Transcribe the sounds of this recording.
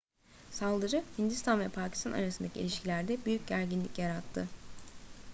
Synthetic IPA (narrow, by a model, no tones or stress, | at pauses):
salˠd̪ɯɾɯhind̪ist̪ʰanvɛpʰaːcʰi̥st̪ʰana̰ɾasɯnd̪acʰḭlʲiʃcʰilʲæɾd̪ɛbyjyc̚ɟæɾɟinlʲḭcjaɾat̪ʰːɯ̰